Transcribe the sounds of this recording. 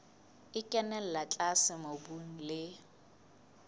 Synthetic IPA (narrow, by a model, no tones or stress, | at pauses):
ɪkʼɛnɛl̩lat͡ɬʼasɪmobuŋ̩lɪ